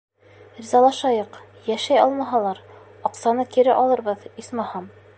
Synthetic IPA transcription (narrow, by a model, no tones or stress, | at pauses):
ɾʲizɑlˠɑʃɑjɤq | jæʃæjɒlˠmɑɦɑlˠɑɾ | ɒqsɑnɤkiɾɘʔɒlˠɤ̆ɾβɤðismɑhɑm